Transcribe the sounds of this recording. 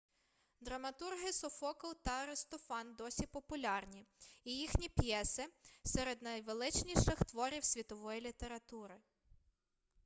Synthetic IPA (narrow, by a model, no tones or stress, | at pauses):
d̪ɾɐmɐt̪urɦɪsɔfɔkɔwt̪ɐɐɾɪst̪ɔfɑnd̪ɔsʲipɔpʊlʲɑrnʲiijixnʲipjɛsɪsɛɾed̪nɐjʋelˠɪt͡ʃnʲiʃɪxt̪ʋɔɾʲiwsʲʋʲit̪ɔʋɔjilʲit̪eɾɐt̪uɾɪ